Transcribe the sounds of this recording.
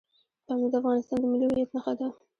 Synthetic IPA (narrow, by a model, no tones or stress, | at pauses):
t̪amad̪əafɣɑnɪst̪ɑnd̪əmɪlihʊjat̪naxad̪a